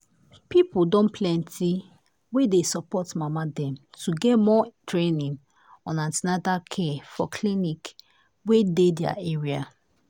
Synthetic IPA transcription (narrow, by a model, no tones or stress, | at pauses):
pipudõnpʰlɛ̃ntʰi | wedesɔpɔtmamadɛ̃mtʰuɡɛtmɔtɹenĩn | ɔ̃nãntinatakʰefɔ̰kʰlinik | wededja̰ʔeɹia̰